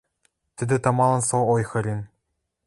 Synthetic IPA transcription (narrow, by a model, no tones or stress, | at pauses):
t̪ʲɘ̆d̪ɘ̆t̪ɑmɑlˠɤ̆nsoojxɤ̆ɾʲin